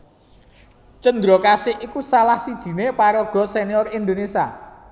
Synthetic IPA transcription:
t͡ʃənd̪ɾɔkasɪʔikusalahsid̥ʒ̥i̤nepaɾɔɡ̥ɔ̤seniɔrind̪onesia

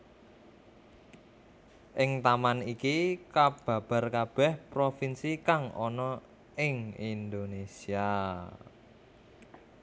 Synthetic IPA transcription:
ʔɪŋt̪amanikikab̥ä̤b̥a̤rkab̥ɛhpɾofinsikaŋɔ̰nɔ | ɪŋind̪onesia

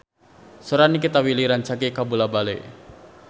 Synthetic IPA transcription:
sɔɾanikit̪awiliɾant͡ʃakikabulabalḛ

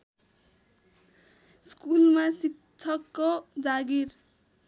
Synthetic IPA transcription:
skulmasik | t͡sʰʌkːod͡zaɡir

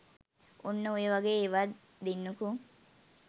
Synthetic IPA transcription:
onːɐueʋaɡeːʋa | d̪inːukuŋ

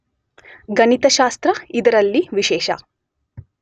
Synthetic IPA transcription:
ɡɐnit̪ɐʃaːst̪ɾɐid̪ɐɾɐlːiʋiʃɛːʃɐ̰

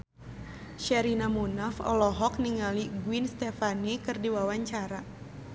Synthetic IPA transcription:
ʃɛɾinamunafɔ̰lɔɦɔk̚niŋaliɡwinst̪ɛfanikɨrdiwawaɲt͡ʃaɾa

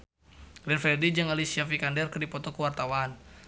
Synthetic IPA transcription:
lɛnfɾɛdid͡ʒɨŋalisiafikandɛrkərdipɔt̪ɔkəwart̪awan

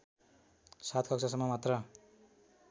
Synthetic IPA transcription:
sat̪ʰkʰʌksʰʌsʌmːʌmat̪rʌ

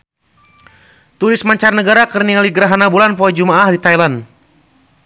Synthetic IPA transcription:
t̪uɾɪsmaɲt͡ʃarnəɡaɾakərnialiɡəɾaɦanabulanpɔɛd͡ʒumaahdit̪ajlan

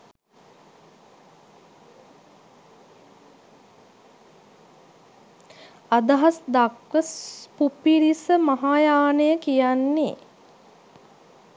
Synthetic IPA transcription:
ad̪əɦasd̪akʋəspupiɾisəmaɦaːjaːnəjəkijanːḛ

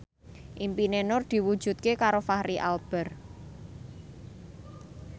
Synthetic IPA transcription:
ʔimpinenʊrd̪̥i̤wud̥ʒ̥ṳt̪̚kekaɾofahɾiʔa̰lb̥ə̤r

